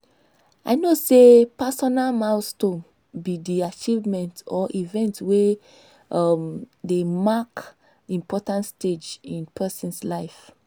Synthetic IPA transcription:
aɪnosepasɔnalmaʊstõm | bidiat͡ʃivmɛ̃ntɔʔivɛ̃ntwe | amdemak | ĩmpʰɔtãntsted͡ʒĩnpʰɛsɔ̃nslaɪf

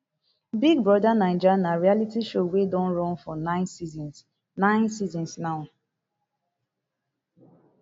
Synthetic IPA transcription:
biɡ̚bɹɔdanãɪnd͡ʒanaɹialitiʃowedɔ̃nɹɔ̃nfɔnãɪnsizns | nãɪ̃nsizɔ̃nsnaʊ

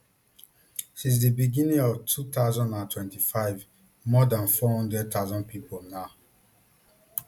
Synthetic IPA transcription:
sĩns̬dibiɡĩnĩŋɔvtʰutaʊzɔ̃ndãntwɛ̃ntifaɪv | mɔdãnfɔhɔ̃ndɹɛd̚t̪ʰaʊzɔ̃npipolnaʊ

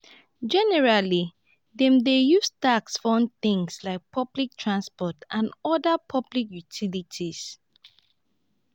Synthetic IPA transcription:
d͡ʒɛnɛɹali | ðɛ̃mdejustaksfɔ̃n̚θɪ̃ŋslaɪk̚pʰɔblik̚tʰɹãnspɔtʔãnɔdəpʰɔblikjutʰilitʰis

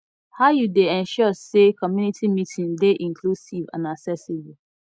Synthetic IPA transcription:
haʊjudeɛ̃nʃɔsekɔmjunitʰimitʰĩndeʔĩŋkʰlusivã̰naksɛsib

